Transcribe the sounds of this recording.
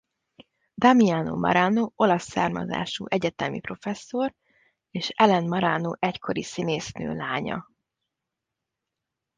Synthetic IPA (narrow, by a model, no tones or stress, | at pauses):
d̪ɒmiano̰ːmʔɒ̰ɾanoːo̞lɒsːaːrmɒ̰za̰ːʃuːʔɛɟɛt̪ɛmipro̞fɛsːo̞r | eːʃɛlɛnmɒɾaːnoːʔɛckʰo̞ɾisineːsnø̰ːlaːɲɒ̰